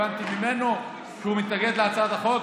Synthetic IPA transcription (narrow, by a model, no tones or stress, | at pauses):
ant̪imime̞no̞ | ʃehumit̪naɡe̞d̪leat͡sad̪aχo̞k